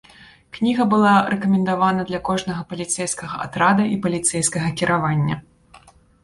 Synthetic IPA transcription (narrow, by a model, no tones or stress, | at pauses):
knʲiɣɐbɨlˠaɾɛkɐmʲɛnd̪avanɐd̪lʲɐkɔʐnɐɣɐpɐlʲit̪sɛjskɐɣɐʔa̰t̪ɾad̪ɐʔipɐlʲit̪sɛjskɐɣɐkʲiɾʔavanʲːɐ